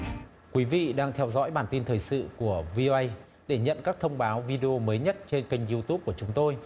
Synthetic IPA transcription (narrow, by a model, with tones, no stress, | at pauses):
kwi˨˦vḭ˧˨ɗaː˧ŋt̪ʰɛ˧wzɔ̰˧˥jɓaː˧˩nt̪i˧nt̪ʰəː˨˩jsɨ̰˧˨ku˧˩əvi˧ʔo˧ʔə˧j | ɗe˧˩ɲə̰˧˨nkaː˦˥k̚t̪ʰə˧wŋ͡mɓaː˨˦wvi˧ɗe˧ʔo˧məː˨˦jɲə˦˥t̚t͡ɕe˧nka˧jŋ̟zu˧t̪u˦˥p̚ku˧˩ət͡ɕʊ˨˦ŋ͡mt̪o˧j